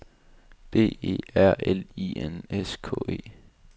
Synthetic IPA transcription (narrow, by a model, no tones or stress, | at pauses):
b̥e̝̰ːe̝̰ːæɐ̰elieneskʰɔ̰̽ːe̝̰ː